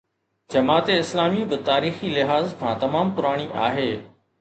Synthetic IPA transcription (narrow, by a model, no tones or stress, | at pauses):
d͡ʑɐmaːt̪eɪslaːmibɪt̪aːɾiːxilɪɦaːzkʰãt̪ɐmaːmpʊɾaːɽ̃iʔa̰ːɦeː